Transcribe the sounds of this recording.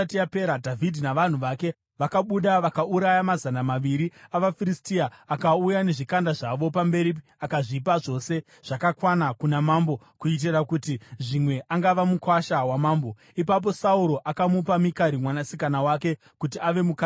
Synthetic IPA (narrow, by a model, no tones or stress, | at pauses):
tiape̞ɾadʱavʱidʱinaʋan̤uʋake̞ | ʋakaɓuɗaʋakauɾajamazanamaʋiɾiaʋafiristiaːkaujane̞ʐikandaʐaʋo̞pambe̞ɾi | akaʐipaʐo̞ːse̞ | ʐ̥akakwanakunamaːmbo̞ | kuit̬irakutiʐimwe̞ʔaŋɡaʋamukwaʃawamaːmbo̞ | ipap̬o̞sauɾo̞ʔakamupamikaɾimwanasikanawake̞ | kutiaʋe̞muka